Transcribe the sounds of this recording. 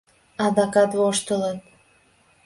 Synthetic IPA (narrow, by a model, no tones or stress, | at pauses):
ɑd̪ɑkɑt̪βoʃt̪ələt̪̚